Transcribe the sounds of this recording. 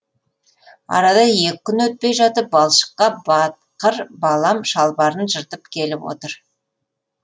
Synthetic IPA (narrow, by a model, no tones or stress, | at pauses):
ɑ̰ɾɑd̪ɑje̞kʲɪkʲʰːʏnwɵt̪̚pe̞jʒɑt̪əp̚bɑlˠʃə̥qːɑbɑt̪̚qəɾbɑlˠɑmʃɑlˠbɑɾənʒəɾt̪əpkʲʰe̞lɪpwo̰t̪əɾ